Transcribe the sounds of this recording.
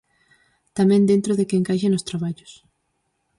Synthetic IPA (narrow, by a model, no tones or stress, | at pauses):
t̪amɛ̃nd̪ent̪ɾoðɪkeŋkaʃenost̪ɾaβaʎʊs